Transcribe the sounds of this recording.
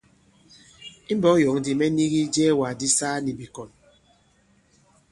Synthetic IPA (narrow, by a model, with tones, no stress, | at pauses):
i˦bɔ˨˦jɔ˨ŋ˦di˨mɛ˦ni˦ɣi˦d͡ʒɛː˦wa˨di˦saː˦ni˨bi˨kɔ˨n